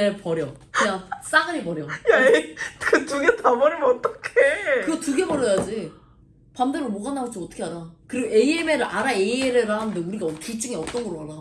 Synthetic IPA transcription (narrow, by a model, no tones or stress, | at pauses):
epʌɾjʌ | ejas͈aɡɯɾipʌɾjʌjakɯtuɡetamʌɾimʌt͈ʌkʰekɯɡʌtuɡe̞bʌɾjʌjad͡ʑi | pamdɯɾɯɭmoɡanːaɡʌt͡ɕʰiʌt͈ʌ̥kʰeɦadakɯɾiɡoʔeiemeɾɯɭʔaɾaeieɾɯɾaɦanndeuɾiɡaiit͡ɕ͈uŋiʌt͈ʌnɡʌɾoɦaɾa